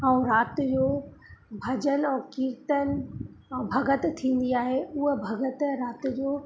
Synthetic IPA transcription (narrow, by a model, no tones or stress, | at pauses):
ə̃ũɾaːt̪d͡ʑoːbʱɐd͡ʑənɛ̃kiːɾt̪ənɪ̆ | ɛ̃ːbʱɐɡət̪t̪ʰːĩːn̆d̪iaːɦeʊɦəbʱɐɡət̪ɾaːt̪d͡ʑoː